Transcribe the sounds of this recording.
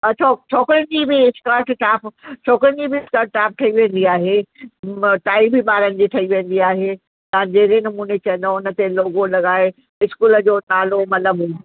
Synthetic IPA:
ɐt͡ɕʰot͡ɕʰoːkɾənɪd͡ʑibɪɪskaːɾʈʈaːpt͡ɕʰoːkɾənd͡ʑibɪɪskaːɾʈ̚ʈaːp̚ʈʰɐiʋẽːn̆d̪iaːɦe | ʈaːibɪɓaːɾənɪ̆d͡ʑiʈʰɐiʋẽːn̆d̪iaːɦe | t̪ɐãd͡ʑeːɾenɐmuːnet͡ɕɐ̃ə̃nd̪oʊnə̆t̪eloːɡolɐɠaːe | ɪskuːləd͡ʑoːnaːlomɐləbũ

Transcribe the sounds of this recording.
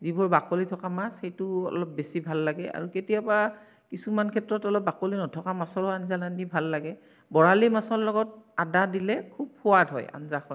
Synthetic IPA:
zibɔɹbakolitʰɔkamasxejtʊɔ̰lɔp̚besibʱalːaɡɛa̰ɹuketijaba | kisumankʰɛtɹɔtɔlɔp̚bakolinɔtʰɔkamasɔɹʊanzalandibʱalːaɡɛ | bɔɹalimasɔlɔɡɔt̚adadilɛkʰub̚pʰʊwadɦɔja̰nzaxɔ

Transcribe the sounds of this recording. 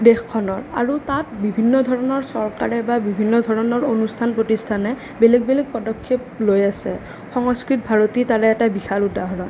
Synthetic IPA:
dexkʰːɔnɔɹa̰ɹutat̚bibʱinːɔdʱɔɹɔnɔɹsɔɹka̰ɹɛbabibʱinːɔdʱɔɹɔnɔɹonustʰanpɹotistʰanɛ | belɛɡ̚belɛk̚pɔdɔkʰːep̚lojasɛ̰ | xɔŋɔskɹit̚bʱaɹotitaɹɛɛtabixaludaɦɔɹɔ

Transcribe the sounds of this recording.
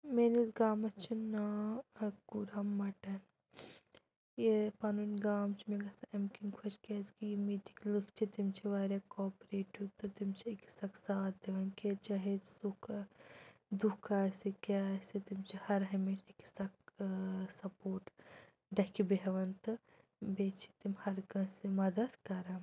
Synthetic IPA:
menisɡaːmɐt͡ʃʰina | ɡuɾɐmːɐʈɐn | jepɐnunʲɡaːmt͡ʃʰimeɡɐst̪ʰɐʔɐmkinkʰɐt͡ʃkʲɐːskimiːt̪i̥klɨkʰt͡ʃʰit̪imt͡ʃʰiʋaːɾʲjaːkɔːpɾeːʈut̪ɨt̪imt͡ʃʰiiki̥sɐkʰsaːt̪̚d̪eʋɐnket͡ʃaɦesukʰ | d̪ukʰaːsikʲaːsit̪imt͡ʃʰihɐɾɦɐmet͡ʃiksɐk | sɐpoːɾʈ | ɖɐkʰibeɦʋɐnt̪ɨ | beːt͡ʃʰi̥t̪imhɐɾɡɐsimɐd̪ɐd̪kɐɾɐm

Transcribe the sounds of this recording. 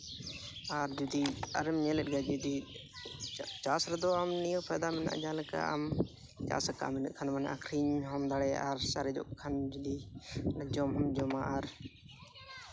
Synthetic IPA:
aɾd͡ʒud̪iɐɾɛmɲɛlɛɗ̚ɡad͡ʒud̪i | t͡ʃaːsɾɛd̪ɔamnijɔ̃pʰajd̪amɛna̰ʔd͡ʒaləka̰a̰m | t͡ʃa̰ːska̰minṵʔkʰanmanaʔa̰kʰɾiɲɦɔmd̪aɽɛa̰ɾsaɾɛd͡ʒɔ̰ʔkʰand͡ʒud̪ind͡ʒɔmɦɐmd͡ʒɔmaʔaɾ

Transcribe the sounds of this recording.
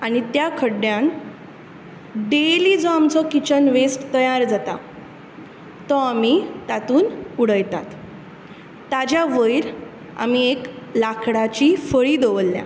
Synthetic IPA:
aɽ̃it̪jakʰəɽjãn | ɖeliːd͡zɔamt͡sɔkit͡ɕənʋesʈt̪əjaɾd͡zat̪a̰ | t̪ɔamit̪at̪uːnuɽəjt̪at̪ | ad͡ʑjaʋəjiɾ | a̰m̤iek | lakʰɽat͡ɕifəɭiːd̪oʋəlːjã̰

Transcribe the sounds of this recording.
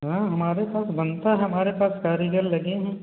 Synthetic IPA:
ɦãːɦɐmaːɾepaːsbɐnt̪aɦɛɦɐmaːɾepaːskaːɾiɡəɾlɐɡẽɦɛ̃

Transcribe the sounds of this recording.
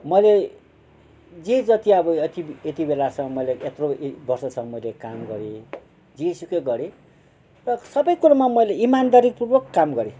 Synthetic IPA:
mʌjle | d͡zed͡zʌt̪iʌbʌet̪iet̪ibelasʌ̃mʌjleet̪robʌrsʌt͡sʰʌ̃mʌjlekamɡʌɾe | d͡ziesukʌjɡʌɾe | rʌsʌbʌjkuɾamamʌjleimand̪aɾik̚purbʌkːamɡʌɾe

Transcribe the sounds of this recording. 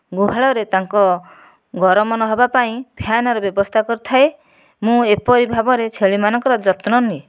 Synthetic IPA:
ɡuɦaɭɔɾet̪aŋkɔ | ɡʱɔɾɔmɔnɔɦɔbapaĩbʱjanɔɾɔbjɔbɔst̪ʰakɔɾut̪ʰae | mũepɔɾibʱabɔɾet͡ʃʰeɭimanɔŋkɔɾɔd͡ʒɔt̪nɔni

